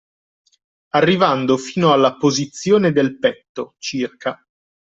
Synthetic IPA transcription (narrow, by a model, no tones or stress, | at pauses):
arːivand̪ofiːnoalːapozit̪sːjoːned̪elpɛt̪ːot͡ʃirkʰa